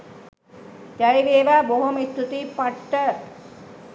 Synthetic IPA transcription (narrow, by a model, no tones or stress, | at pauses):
t̪ɐɭiʋeːʋaboɦɐmit̪ːut̪ipɐʈːɐ